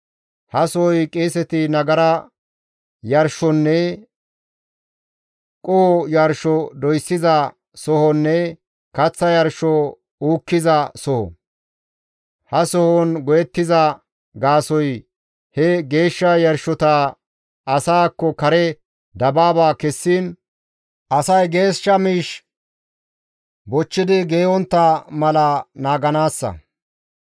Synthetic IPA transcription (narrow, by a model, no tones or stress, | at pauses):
hɐsɔɔjkʼeːsɛt̪ɪnɐɡɐɾɐ | jɐɾʃɔnːɛ | kʼɔhɔjɐɾʃɔd̪ɔjsːɪzɐ | sɔhɔnːɛ | kɐt͡sːɐjɐɾʃɔ | uːkːɪzɐsɔhɔ̰ | hɐsɔhɔnɡɔjɛt̪ːɪzɐ | ɡaːsɔj | hɛɡe̞ːʃːɐjɐɾʃɔt̪a | ɐsaːkːɔkɐɾɛ | d̪ɐbaːbaːkɛsːiːn | ʔɐsɐjɡe̞ːʃːɐmiːʃ | bɔt͡ʃːɪd̪ɪɡeːwɔnt̪ːɐmɐlɐnaːɡɐnaːsːɐ̰